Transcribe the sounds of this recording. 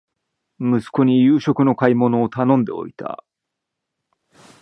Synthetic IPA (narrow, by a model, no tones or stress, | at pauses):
mɯ̟sɨ̥ko̞ɲ̟ijɯːɕo̞kɯ̟no̞kaimo̞no̞ːt̪anõnd̪e̞̰o̞̰it̪a̰